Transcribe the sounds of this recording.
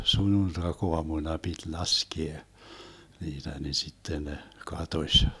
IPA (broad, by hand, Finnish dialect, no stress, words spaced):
sunːuntɑkoɑmunɑ pit lɑskie niːtæ ni sitːen ne kɑtosʲ